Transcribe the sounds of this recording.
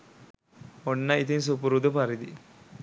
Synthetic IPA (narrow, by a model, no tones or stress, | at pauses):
onːɐit̪ins̬up̬uɾud̪upɐɾid̪i